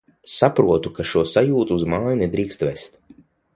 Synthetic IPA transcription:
sapɾuɔt̪ukaʃuɔsajuːt̪uːzmaːjned̪ɾiːkst̪vest̪

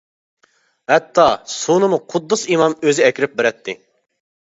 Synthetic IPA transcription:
hɛt̪ʰːɑsonɨmuqʰʊd̪ːɨsimɑmøzɪɛkʲɾɪp̚beɾɛt̪ʰːɪ

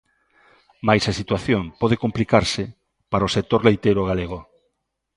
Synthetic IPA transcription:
majsɐsit̪waθjoŋpɔð̞ekomplikaɾsɪ | paɾaosek̚t̪oɾlejt̪ejɾoɣaleɣo

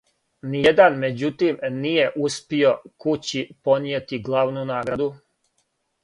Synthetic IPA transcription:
nijed̪anme̞d͡ʑut̪iːmnije̞ʔuspio̞kut͡ɕipo̞njeːt̪iɡlˠaːʋnunaːɡɾad̪u

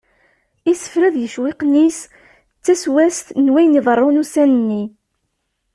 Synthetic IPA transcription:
isə̥fɾæðjəʃwɪqnis | t͡sːæswæst̪nwæjniðˤərˤːʊnusænənːi

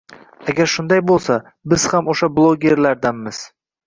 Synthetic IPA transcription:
aɡʲaɾʃʊnd̪ajbolˠsa | bɪz̥hamoʃablˠoɡʲe̞ɾlaɾd̪anmɪz̥

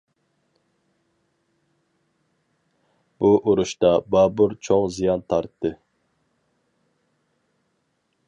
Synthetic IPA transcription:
b̥uʔuɾuʃt̪ɑbɑbuɾt͡ʃʰoŋzijɑnt̪ʰɑɾt̪ʰːɨ

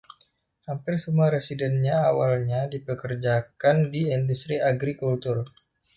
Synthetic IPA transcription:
hampɪrsəmuaɾesidɛnɲaawalɲadipəkərd͡ʒakandiindust̪ɾiaɡɾikult̪ur

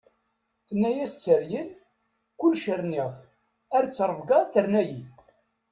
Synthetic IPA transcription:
θənːæjæst͡sːəɾjən | kʊlːʃəɾnɪðˤ | æɾt͡sːɾˤəvɡɑθəɾnæji

